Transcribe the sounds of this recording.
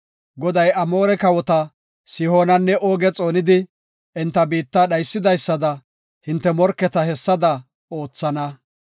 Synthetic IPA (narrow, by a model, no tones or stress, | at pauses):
ɡɔd̪ɐjɐmo̞ːɾɛkɐwɔt̪ɐ | sɪho̞ːnɐnːɛʔoːɡɛt͡sʼo̞ːnɪd̪ɪ | ɛnt̪ːɐbiːt̪ːaːɗɐjsːɪd̪ɐjsːɐd̪ɐ | hɪnt̪ːɛmɔɾkːɛt̪ɐhɛsːɐd̪ɐ | o̞ːt͡sːɐnɐ